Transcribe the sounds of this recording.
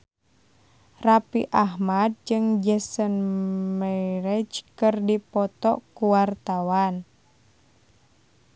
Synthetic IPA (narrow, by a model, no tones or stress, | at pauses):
rapḭʔaɦmad̚d͡ʒɨŋd͡ʒɛsənmɛɾɛd͡ʒkɨrdipɔt̪ɔ̰kuwart̪awan